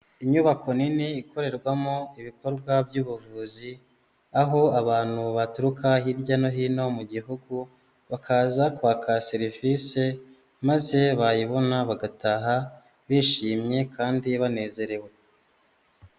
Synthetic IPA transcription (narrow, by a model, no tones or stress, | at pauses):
iɲuβako̞niniːko̞ɾe̞ɾɡwamoiβiko̞ɾɡwabjuːβuvuːzi | aɦo̞aβaːn̥huβatuɾukahiɾɟano̞ɦiːno̞muɟiɦuɡu | βakʰaːzakwaːkʰase̞ɾivise̞ | maze̞βajiβo̞naβaɡataɦa | βiːʃiːmɲe̞kʰaːndiβane̞ːze̞ɾe̞we̞